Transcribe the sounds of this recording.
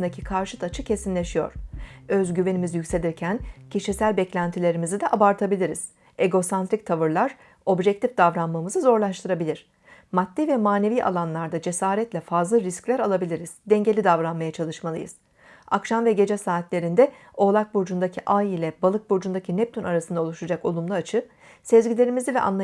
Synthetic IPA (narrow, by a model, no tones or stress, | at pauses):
nd̪acʰikʰaɾʃɯt̪ʰat͡ʃʰɯcʰe̞sinlʲe̞ʃijo̞̰ɾ̥ø̞zɟyve̞nimizjycʲse̞lʲiɾcʰæncʰiʃisælʲbɛclʲænt̪ʰilʲe̞ɾimizid̪ɛʔabaɾt̪ʰabilʲiɾiz̥ | e̞ɡo̞sant̪ɾic̚t̪ʰavɯɾlˠaɾ̥ | o̞bʒɛc̚t̪ʰifd̪avɾanmamɯzɯzo̞ɾlˠaʃt̪ʰɯɾabilʲiɾ̥ | mat̪ːivɛmaːne̞viːʔa̰lˠanlˠaɾd̪ad͡ʒe̞saːɾɛt̪lʲɛfazlˠɯɾisclʲæɾalˠabilʲiɾiz̥d̪ɛɲɟe̞lʲid̪avɾanmajat͡ʃʰalˠɯʃmalˠɯjɯ̰z̥ | akʃamvɛɟe̞d͡ʒɛsaːt̪lʲe̞ɾind̪ɛ | o̞lˠak̚buɾd͡ʒund̪acʰiʔajilʲɛbalˠɯk̚buɾd͡ʒund̪acʰinɛp̚t̪ʰynaɾasɯnd̪ao̞lˠuʃad͡ʒako̞̰lˠumlˠaat͡ʃʰɯ | sezɟilʲe̞ɾimizivɛ̰ʔa̰nlˠ